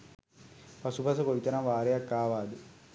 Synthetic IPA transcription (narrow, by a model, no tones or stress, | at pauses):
pɐsupɐsɐkoit̪ɐɾɐmʋaːɾɐjakːaːʋaːd̪ɯ